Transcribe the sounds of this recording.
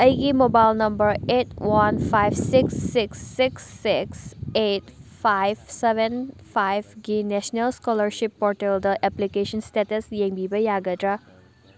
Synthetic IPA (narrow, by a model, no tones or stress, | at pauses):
ɐjɡimobajlnɐmbɐɾetwanpʰajbsiksːiksːiksːiksetpʰajbsebenpʰajbɡinesnelskɔlɐɾsipːɔɾteldɐʔeplikesɐnstetɐsjeŋbibɐjaɡɐdɾa